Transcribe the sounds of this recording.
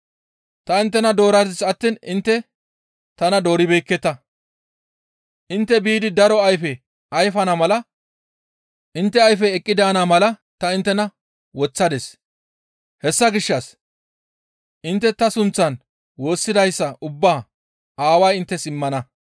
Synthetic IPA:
t̪ɐɪnt̪ːɛnɐd̪o̞ːɾɐd̪ɪsɐt̪ːiːnɪnt̪ːɛ | t̪ɐnɐd̪o̞ːɾɪbɛjkːɛt̪ːɐ | ʔɪnt̪ːɛbiːd̪ɪd̪ɐɾɔɐjfɛ | ɐjfɐnɐmɐlɐ | ʔɪnt̪ːɛɐjfɛːkʼːɪd̪ɐɐnamɐlɐt̪ɐɪnt̪ːɛnɐ | wɔt͡sːɐd̪ɛs | hɛsːɐɡɪʃːɐs | ʔɪnt̪ːɛt̪ɐsʊnt͡sːɐn | wo̞ːsːɪd̪ɐjsːɐʔʊbːaː | ʔaːwɐjɪnt̪ːɛsɪmːɐnɐ

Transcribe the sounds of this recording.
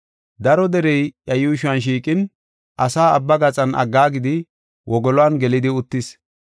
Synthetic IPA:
d̪ɐɾɔd̪ɛɾɛjʔɐjʊːʃʊɐnʃ̬iːkʼɪn | ʔɐsaːɐbːɐɡɐt͡sʼɐnʔɐ̰ɡːaːɡɪd̪ɪ | wʔɔɡɔlɔwɐnɡɛlɪd̪ɪʊt̪ːɪs

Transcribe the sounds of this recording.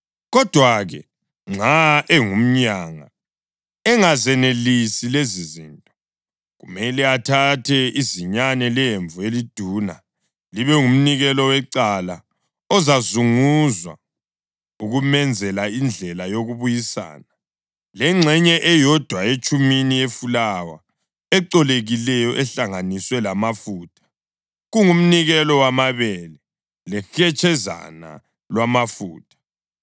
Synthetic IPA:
ɣɔd̥ʱwaɣɛ | ŋ͡ǁaɛŋum̩ɲaːŋa̰ | ɛŋazɛnelisileziziːntʼɔ | ɣumɛlɛatʰatʰɛiziɲanɛlɛjeɱvuelid̥ʱuːna̰ | liβɛum̩niɣɛlɔwɛǀala | ɔzazuŋuzwa̰ | uɣumɛnd͡zʱɛlaind͡ɮʱɛlajoɣuβujisa̰ːna | lɛŋ͡ǁʱɛɲɛʔɛjɔd̥ʱwaet͡ʃʼuminijefulawa̰ | ɛǀɔleɣilɛjɔʔɛɬaŋaniswɛlamafuːtʰḁ | ɣuŋum̩niɣɛlɔwamaβɛlɛ | lɛxɛt͡ʃʰʼɛza̰na̰ | lwamafuːtʰʼḁ

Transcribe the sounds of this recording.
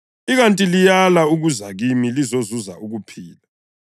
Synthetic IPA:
iɣantʼilijalauɣuzaɣimilizozuzaʔuɣupʰiːla

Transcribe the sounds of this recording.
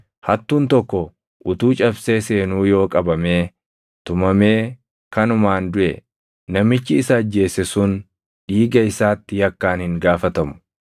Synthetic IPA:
hɐt̪ːuːnt̪ɔkːɔ | ʔʊt̪uːt͡ʃʼɐbseːseːnuːjo̞ːkʼɐbɐmeː | t̪ʊmɐme̞ː | kɐnʊmaːnd̪ʊʔɛ̰ | nɐmɪt͡ʃːɪɪsɐːd͡ʒːe̞ːsɛsʊn | ᶑiːɡɐɪsaːt̪ːɪjɐkːaːnhɪŋɡaːfɐt̪ɐmʊ̥

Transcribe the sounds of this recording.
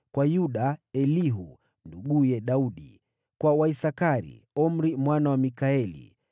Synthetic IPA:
kwajuɗaɛliɦṵ | nduɠujɛɗauɗḭ | kwawaisakaɾḭɔm̩ɾimwanawamikaɛlḭ

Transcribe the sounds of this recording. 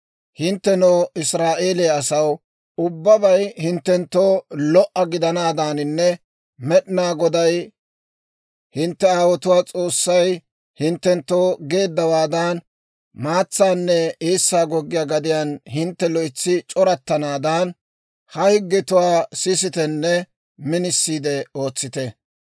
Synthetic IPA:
hɪnt̪ːɛnoːɪsɾaːʔe̞ːleːɐsɐw | ʊbːɐbɐjhɪnt̪ːɛnt̪ːoːlɔʔɐɡɪd̪ɐnaːd̪aːnɪnːɛ | mɛɗnaːɡɔd̪ɐj | hɪnt̪ːɛaːwɔt̪ʊwaːt͡sʼo̞ːsːɐj | hɪnt̪ːɛnt̪ːo̞ːɡe̞ːd̪ːɐwaːd̪an | maːt͡sːaːnːɛeːsːaːɡɔɡːɪjaːɡɐd̪ɪjaːnhɪnt̪ːɛlɔɪt͡sːɪt͡ʃʼɔɾɐt̪ːɐnaːd̪aːn | hɐhɪɡːɪt̪ʊwaːsɪs̬ɪt̪ɛnːɛ | mɪnɪsːiːd̪ɛo̞ːt͡sːɪt̪ɛ

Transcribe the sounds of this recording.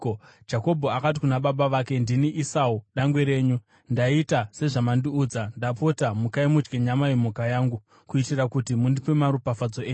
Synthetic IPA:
d͡ʒako̞bʱo̞akat̬ikunaɓaɓaʋaːke̞ndiniʔisauɗaŋɡweɾe̞ːɲu | ndaitase̞ʐamandiuːd͡zandapo̞tamukaimut͡ʃɡeɲamaimukajaːŋɡu | kuitirakutimundipemaɾupafad͡zo̞eː

